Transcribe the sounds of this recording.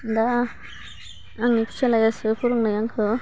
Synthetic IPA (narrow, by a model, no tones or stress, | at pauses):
nd̪a | ŋnipʰi̥t͡ʃʰelajasɯpʰuɾuŋnajaŋkʰɯ